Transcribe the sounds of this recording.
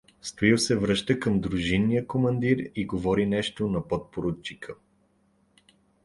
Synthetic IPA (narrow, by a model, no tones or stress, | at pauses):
st̪oiwsɛvɾɤʃt̪əkəmd̪ɾuʒinːijəkomɐnd̪iɾiɡovɔɾinɛʃt̪onɐpɔt̪̚poɾot͡ʃːikʰə